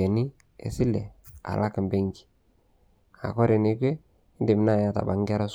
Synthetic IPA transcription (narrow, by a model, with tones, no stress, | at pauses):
e˨ni˦ | ḛ˨si˦lɛ̰˨a̰˨lʔa˦kmbe˦ŋɡi̥˨ | a̰˨kɔ˦ɾe˨ni˨˦kwe˦ | ɪ˦ndɪ˨m˨na˦˨ja˨ta̰˨ba˨ŋ˦ɡɛ˦ɾa˦s